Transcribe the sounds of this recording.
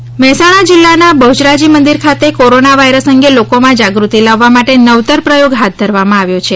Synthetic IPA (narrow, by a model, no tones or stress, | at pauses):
mɛɦsaɽ̃ad͡ʒilːanabəud͡ʒɾad͡ʒimənd̪iɾkʰat̪ekoɾonaʋaiɾəsəŋɡelokomãd͡ʒaɡɾut̪ilaʋːamaʈenəʋt̪əɾpɾəjoɡɦat̪̚d̪ʱəɾʋamãaʋjot͡ʃʰe